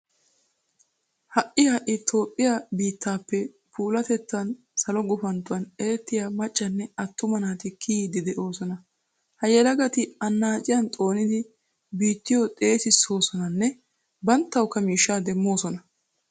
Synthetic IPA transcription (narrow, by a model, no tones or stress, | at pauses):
hɐʔɪjɐʔɪt̪ʰo̞ːpʼːɪjabiːt̪ːaːpːɛ | pʰuːlɐt̪ɛt͡sːɐn | sɐlɔɡʊfɐnt̪ːʊwɐneːt̪ːɪjamɐt͡ʃʼːɐnːɛɐt̪ːʊmɐnaːt̪ɪkʰiːd̪ɪd̪ɛʔo̞ːsɔnɐ | hɐjɛlɐɡɐt̪ɪɐnːaːt͡ʃʼɪjɐnt̪ʼo̞ːnɪd̪ɪ | biːt̪ːɪjot̪ʼe̞ːsɪsːo̞ːsɔnɐnːɛ | bɐnt̪ːɐwkːɐmiːʃːaːd̪ɛmːo̞ːsɔnɐ